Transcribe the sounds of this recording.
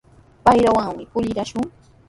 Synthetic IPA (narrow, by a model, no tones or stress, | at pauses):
pajɾawaŋmɪpʊʎɪɾaʃʊŋ